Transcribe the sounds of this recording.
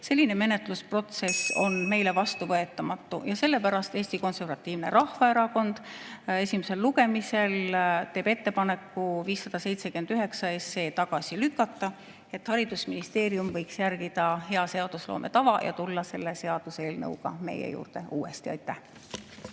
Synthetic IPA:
se̞lːine̞me̞net̪ˑluspro̞t̪se̞so̞̰nme̞jle̞vɑst̪uvɤe̞t̪ːˑɑmɑt̪ːujɑse̞lːe̞pæɾɑst̪eːsʲt̪iko̞nse̞rvɑt̪ːˑiːvne̞̰ɾɑhvɑe̞ɾɑko̞nd̪̥e̞sʲime̞se̞lluɡe̞mise̞lt̪e̞ːbe̞t̪ːe̞pɑne̞kˑːuviːsːɑd̪̥ɑse̞jt̪se̞kyenyɦe̞ksɑe̞sːe̞ːt̪ɑɡ̥ɑsilykːˑɑt̪ˑːɑ | e̞t̪hɑɾid̪̥usminist̪e̞ːɾiumvɤ̞jksjæɾɡ̥id̪̥ɑɦe̞ɑse̞ɑd̪̥uslo̞̰ːmʔe̞̰t̪ɑvɑjɑ̰t̪ulːɑse̞lːe̞se̞ɑd̪̥use̞ːlnɤ̰wɡ̥ɑ̰me̞̰jḛjṵːrd̪̥e̞uːe̞̰st̪iɑ̰jt̪ːˑæh

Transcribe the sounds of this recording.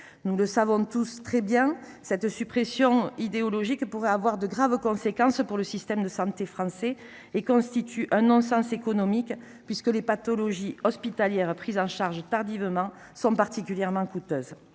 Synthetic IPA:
nuləsavɔ̃t̪ust̪χɛbjɛ̃ | sɛt̪sypχesjɔ̃id̪eɔlɔʒikpuʁɛavwaʁd̪əɡʁavəkɔ̃sekɑ̃spuʁləsist̪ɛmd̪əsɑ̃t̪efχɑ̃sɛ | ekɔ̃st̪it̪ʰyʔɛ̃nɔ̃sɑ̃sekɔnɔmik | pɥiskəlepat̪ɔlɔʒiɔspit̪aljɛʁpχizɑ̃ʃaʁʒət̪aʁd̪ivəmɑ̃ | sɔ̃paʁt̪ikʲyljɛʁmɑ̃kut̪øz

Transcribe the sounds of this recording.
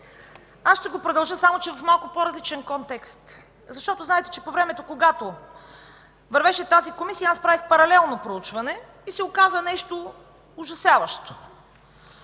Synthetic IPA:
asʃt̪ɛɡopɾod̪ɐlˠʒɤsamot͡ʃɛvɐfmalˠkʊpoɾɐzlit͡ʃɛnkɔnt̪ɛkst̪ | zɐʃt̪ɔt̪oznaɛt̪ɛ̥t͡ʃɛpovɾɛmɛt̪okoɡat̪o | vɐɾvɛʃɛt̪azikomisijɐaspɾavixpɐɾɐlɛlˠnopɾout͡ʃvɐnɛ | isɛokazvɐnɛʃt̪o | ʊʒɐsjavɐʃt̪o̥

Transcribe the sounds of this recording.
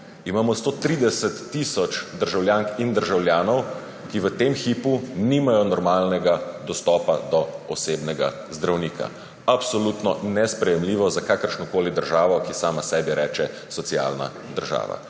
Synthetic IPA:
imaːmɔst̪oːt̪ɾiːd̪ɛsət̪ːisɔt͡ʃd̪əɾʒawljaːŋkind̪əɾʒawljaːnɔw | kiʋət̪eːmxiːpuniːmajɔnɔɾmaːlnɛɡad̪ɔst̪ɔːpad̪ɔɔseːbnɛɡa̰ | zd̪ɾawniːkʰa̰ | apsɔlut̪nɔnɛspɾɛjɛmliːʋɔzakaːkəɾʃnɔkoːlid̪əɾʒaːʋɔkisaːmasɛːbiɾɛːt͡ʃɛ | sɔsia̰lna̰ | d̪əɾʒa̰ːʋa̰

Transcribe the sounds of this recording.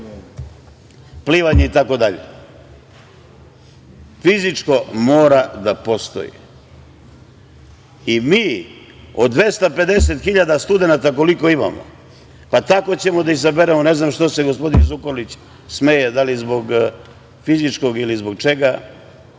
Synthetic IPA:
pliːʋaɲeit̪ako̞d̪aʎḛ | fizit͡ʂko̞mo̞ːɾad̪apo̞st̪o̞̰jḭ | imiː | o̞̰d̪ʋe̞st̪ape̞d̪e̞se̞t̪xiʎad̪ast̪ud̪e̞nat̪ako̞liko̞ima̰mo̰ | pat̪ako̞t͡ɕe̞mo̞d̪aizabeɾemoneznamʃt̪ose̞ɡo̞spo̞d̪inzukolit͡ɕ | smejed̪alizbo̞ɡ | fizit͡ʃko̞ɡilizbo̞ɡt͡ʃe̞ɡa

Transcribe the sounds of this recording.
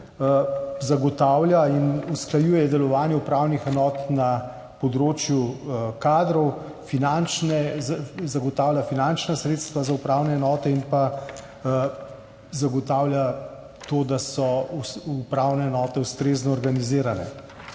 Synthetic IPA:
zaɡɔt̪aːwljainusklajuːjɛd̪ɛlɔʋaːnjɛupɾaːwnixɛnɔːt̪na | pɔd̪ɾoːt͡ʃjukaːd̪ɾɔw | finant͡ʃnɛzaɡɔt̪aːwlʲjafinant͡ʃnasɾeːt̪st̪ʋazaupɾaːwnɛːnɔːt̪ɛinpa | zaɡɔt̪aːwlja | t̪oːd̪asɔupɾawnɛːnɔːt̪ɛust̪ɾeːznɔːɾɡaniziːɾanɛ̰

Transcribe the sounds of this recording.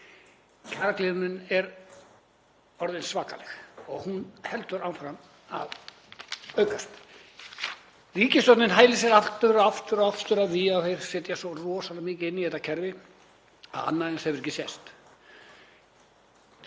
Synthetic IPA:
cʰaːɾaklɪːðʏnʏnɛɾ | ɔɾðɪnsvaːka̰lɛ̰xɔɣhunhɛlt̪ʏɾawfɾam | a̰ð | œɥkast̪ | riːcɪst̪ɔwt̪nɪnɦaːjlɪsɛɾaft̪ʏɾɔaft̪ʏɾɔaft̪ʏɾaðviawθejɾ̥sɛt̪jasɔrɔːsanamiːcɪɪnːihɛt̪ːacʰɛɾvɪ | a̰ða̰nːaɛnshɛvʏɾɛcːɪsjɛst̪

